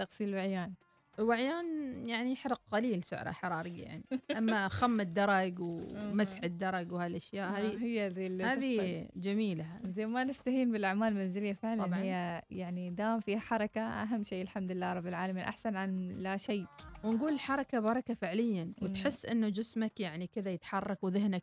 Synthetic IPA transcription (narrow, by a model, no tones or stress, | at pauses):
t̪ɑqsˤiːlwaʕjaːn | ʔwaʕjaːnjaʕniħɾˤɑq̚qaliːlsʊ̰ʕɾˤɑ̰ħɑɾˤɑːɾijːaja̰ʕniʔamːaxamːɪd̪ːɑɾˤɑɡwmasħɪd̪ːɑɾˤɑɡwhaːlʔaʃjaːʔhaːðihɪjːad̪ilhaːðid͡ʒamiːlazajːmanɪst̪ahiːnbɪlʔaʕmaːlmanzɪlɪjːafɪʕlanhɪjːajaʕnid̪aːmfiːhaħɑɾˤɑkaʔa̰ɦamːʃeːʔɪlħamd̪ɪlːaːɾˤɑbːɪlʕaːlamiːnʔa̰ħsanʕanlaʃeːwɪnɡuːlɪlħɑɾˤɑkabɑɾˤɑkafɪʕlɪjːawɪt̪ħɪsːʔɪnːud͡ʒɪsmakjaʕnikɪðajɪt̪ħɑrˤːɑkwðɪhnak